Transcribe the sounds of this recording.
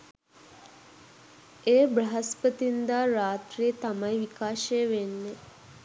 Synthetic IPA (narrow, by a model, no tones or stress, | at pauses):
eːbɾɐɦɐspət̪ind̪aːɾaːt̪ɾiət̪amɐjʋikaːʃejəʋenːe